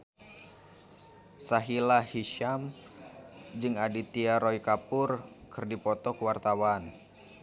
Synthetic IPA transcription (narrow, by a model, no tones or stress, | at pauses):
saɦilahiʃam | d͡ʒɨŋadit̪iaɾɔikapʊrkɨrdipɔt̪ɔkwart̪awan